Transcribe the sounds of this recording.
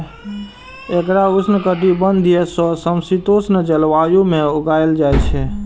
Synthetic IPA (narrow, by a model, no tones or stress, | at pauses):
ekɾausʰnəkəʈibənd̪ʱijɛsɔsəmsit̪osnəd͡ʒəlʋajumeuɡajld͡ʒajt͡ʃʰɛ